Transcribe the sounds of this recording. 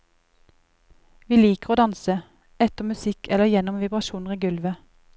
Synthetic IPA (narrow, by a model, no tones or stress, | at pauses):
ʋiːliːkəʁoːd̪ɑnsə | ɛt̪əʁmʉsɪkʰɛləjɛnʊmʋɪbʁɑʃuːnəʁiːɡʉlʋə